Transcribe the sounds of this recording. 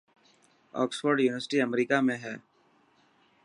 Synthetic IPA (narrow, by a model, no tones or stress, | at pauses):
ɔ̰ːksfəɾɖjuːnɪʋəɾsʈiəmɾiːkamẽɦɛː